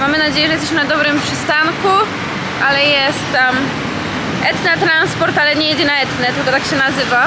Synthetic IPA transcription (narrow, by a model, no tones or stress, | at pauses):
mamɘnad͡ʑejɛʐɛjɛst̪ɛɕmɘnad̪ɔbɾɘmpʂɘst̪aŋku | ʔalɛjɛst̪ːam | ʔɛt̪nat̪ɾanspɔɾt̪alɛɲɛjid͡ʑɛnaɛt̪nɛt̪ɘlkɔt̪akɕɛnazɘva